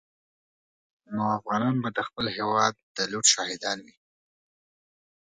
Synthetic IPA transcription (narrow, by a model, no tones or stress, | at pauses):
noafɣɑnɑnbad̪əxpəlhewɑd̪̚ːəluʈʃɑhɪd̪ɑnwi